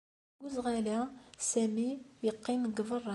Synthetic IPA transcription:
uzʁælæsæmijəqːimɡvərˤːɑ

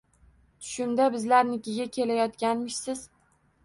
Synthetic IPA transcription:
t̪ʰʊ̥ʃɪmd̪abɪzlaɾnɪkʲɪɡʲakʲʰe̞lajɒt̪kʲanmɪʃsɪz̥

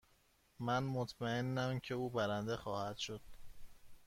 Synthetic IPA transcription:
mænmot̪ʰmæe̞nːæmcʰe̞uːbæɾænd̪exɒːhæd̪̥ʃod̪̥

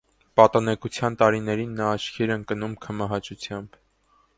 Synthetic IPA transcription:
pɑt̪ɑnɛkut͡sʰjɑnt̪ɑɾinɛɾinːɑːt͡ʃʰkʰiɾɛnkənumkʰəmɑɦɑt͡ʃut͡sʰjɑmb

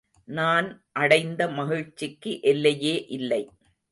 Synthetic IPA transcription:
naːnʔɐɽɐɪnd̪ɐmɐɣɪɻt͡ʃːɪkːɯʔɛlːɐjeːʔɪlːɐɪ

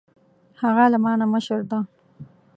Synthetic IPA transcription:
haɣalamɑːnaməʃəɾd̪a

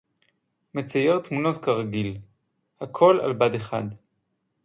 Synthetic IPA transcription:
me̞t͡sajeʁt̪muno̞t̪kaʁaɡil | hakʰo̞la̰lbadeχa̰d

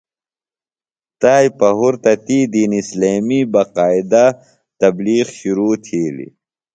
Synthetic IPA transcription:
t̪aːjpɐɦuɾt̪ɐt̪id̪iːnisleːmibɐqaːid̪a | t̪ɐbliːxɕuɾuːt̪ʰiːlḭ

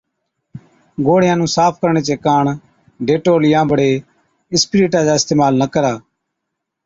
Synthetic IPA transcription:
ɡoːɽjãːnũːsaːpʰkəɾɳeːt͡ʃeːkaːɳ | ɖeːʈoːlɪjãːbəɽeː | ɪspɪɾiːʈãːd͡ʒaːɪst̪eːmaːlnəkəɾaː

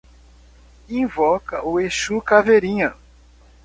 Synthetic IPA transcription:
ĩvɔkɐʔʊeʃukaveɾĩɲɐ

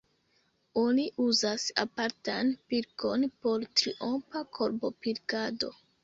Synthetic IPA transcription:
o̞niʔuzasa̰paɾtanpiɾko̞npo̞ɾtɾiʔompakʰo̞ɾbo̞piɾkado̞̰

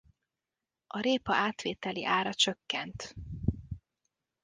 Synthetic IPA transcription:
ʔɒɾeːpɒaːt̪ʋeːt̪ɛlḭʔaːɾɒt͡ʃøkːɛnt̪

